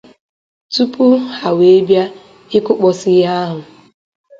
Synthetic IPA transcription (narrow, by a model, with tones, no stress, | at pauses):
tu˦pu˦ha˨we˨e˦bja˦ | ɪ˦kʊ˦k͡pɔ˨sɪ˦ja˦ɦʊ˨